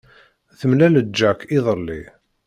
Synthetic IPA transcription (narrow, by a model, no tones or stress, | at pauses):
θəmlæləd͡ʒːækiðˤəlːḭ